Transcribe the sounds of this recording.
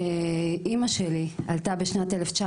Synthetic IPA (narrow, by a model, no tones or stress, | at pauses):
eʔimaʃelialt̪abeʃnateleft͡ʃa